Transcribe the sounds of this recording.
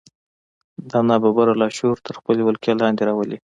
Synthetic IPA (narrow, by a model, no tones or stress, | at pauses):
d̪ɑnɑbabaɾalɑʃuɾt̪ʰəɾxpəlemʊlkjɑlɑnd̪eɾɑwəli